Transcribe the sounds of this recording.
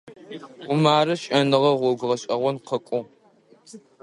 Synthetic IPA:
ʊmaːɾɨʃʼɐnɨʁɐʁʷɔɡʷʁɐɕʼɐʁʷɔnqʰɐkʷʼʊ

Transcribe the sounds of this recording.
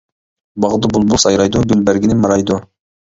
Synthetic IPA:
bɑʁd̪ʊbulˠbulˠsɑjɾɑjd̪ʊɡylbæɾɡʲɪnɪmɑɾɑjd̪ʊ

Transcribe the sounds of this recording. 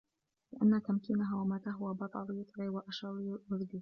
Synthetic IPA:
lɪʔanːat̪amkinaɦawamaːt̪aːɦʊwabɑt̪ˤɑ̰lˤɪjʊt̪ˤɾiːwaʔaʃɑɾˤjʊðd̪iː

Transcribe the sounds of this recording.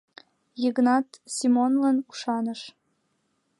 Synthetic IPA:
jəɣnɑt̪sʲimonlənuʃɑnəʃ

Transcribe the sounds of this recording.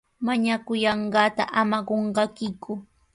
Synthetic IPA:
maɲakʊjɑɴɢɑːt̪a̰ʔamaɢoɴɢɑkɪkʰʊ

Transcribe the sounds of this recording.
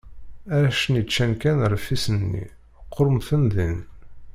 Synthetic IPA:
æʃnit͡ʃːænkænɾˤfisənːḭ | qʰːoɾmθənðin

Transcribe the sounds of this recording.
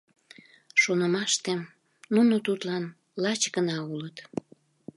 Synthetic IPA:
ʃonəmɑʃt̪em | nunot̪ut̪lɑn | lɑt͡ɕɡənɑulət̪

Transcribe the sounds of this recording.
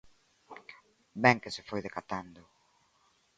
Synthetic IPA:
bɛŋkɪsɪfojðekat̪and̪ʊ

